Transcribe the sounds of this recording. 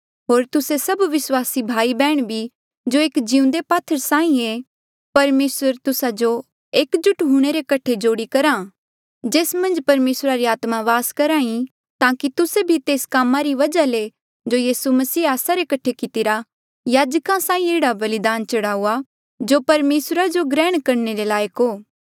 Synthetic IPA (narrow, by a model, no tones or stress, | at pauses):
ɦoːɾt̪ʊsesɐbʋɪswaːsibʱaːibɛːɽ̃bʱi | d͡ʒoeːkd͡ʒiũnd̪epaːt̪ʰəɾsãːĩe | pɐɾmeːsəɾt̪ʊsad͡ʒo | eːkd͡ʒʊʈɦuːɽ̃eɾekɐʈʰed͡ʒoːɽikɐɾã | d͡ʒeːsmɐ̃nd͡ʒpɐɾmeːsɾaɾiaːt̪mãʋaːskɐɾãːĩ | t̪ãːkit̪ʊsebʱit̪eːskaːmãɾiʋɐd͡ʒale | d͡ʒojiːsumɐsiːaːsaɾekɐʈʰekɪt̪ɪɾa | jaːd͡ʒkãsãːĩeːɽabɐlɪd̪aːnt͡ʃɐɽaːuːa | d͡ʒopɐɾmeːsɾad͡ʒoɡɾɛːɽ̃kɐɾneɾelaːjəkɦoː